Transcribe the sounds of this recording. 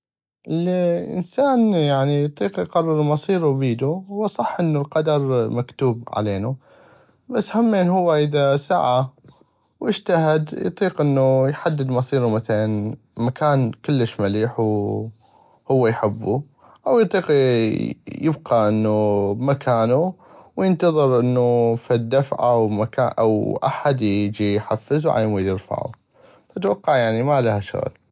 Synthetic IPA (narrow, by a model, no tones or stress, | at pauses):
ʔɪlʔɪ̰nsaːnjaʕnijt̪ˤiːqjqɑrˤːɨɾmɑsˤiːɾujbiːd̪uhwːasˤɑħːʔɪnːulqɑd̪ɑɾˤmakt̪uːbʕa̰leːnu | basːhamːeːnɦʊwːaʔəðasa̰ʕa | wʔɪʃt̪ahɪd̪j̰t̪ˤiːqʔɪnːujħad̪ːɪd̪mɑsˤiːɾumaθalan | makaːnkɪlːəʃmaliːħw | hʊwːajħɪbːu | ʔawjt̪ˤiːqi | jɪbqɑʔənːumakʰaːnu | wjənt̪ɑðˤɨɾʔənːufid̪ːafʕa̰wmakaʔa̰wʔa̰ħad̪jd͡ʒijħafːɪzwʕa̰jmujɪɾfa̰ʕṵ | fat̪wɑqːɑʕjaʕnimalahaʃʊ̰ɣ̰l